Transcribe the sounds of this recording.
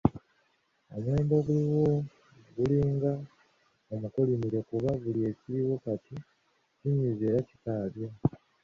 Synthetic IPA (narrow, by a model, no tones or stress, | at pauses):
o̰mweːmdo̞ɡuliwo | ɡuliːŋɡa | omukolimiɾe̞kuβaβulie̞ciɾiwukati | ciɲize̞ːɾaci̥kaːβja